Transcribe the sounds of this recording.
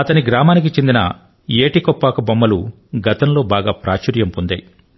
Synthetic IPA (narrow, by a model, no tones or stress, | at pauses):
ɐt̪ɐniɡɾaːmaːnik̬it͡ʃe̞nd̪inɐ̰ | eːʈikɔpːaːkɐbɐmːɐlu | ɡɐt̪ɐnlo̞ːbaːɡaːpɾaːt͡ʃɐɾjɐmpond̪ɐ̰j